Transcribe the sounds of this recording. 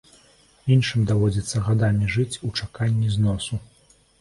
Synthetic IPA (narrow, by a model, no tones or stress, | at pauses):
inʂɨmʲd̪avɔd͡zʲit̪sːɐɣad̪amʲiʐɨt͡sʲut͡ʂakanʲːiznɔsu